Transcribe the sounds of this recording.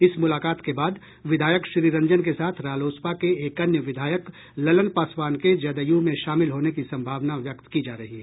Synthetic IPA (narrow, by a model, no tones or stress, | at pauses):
ɪsmʊlaːkaːt̪kebaːd̪ | ʋɪd̪ʱaːjəkʃɾiːɾɐ̃ɲd͡ʒənkesaːt̪ʰɾaːloːspakeeːkɐnjəʋɪd̪ʱaːjək | lɐlənpaːswaːnked͡ʒɐd̪əjumẽʃaːmɪlɦoːnekisɐ̃mbʱaːʋnaʋjɐkt̪kid͡ʒaːɾɐɦiɦɛː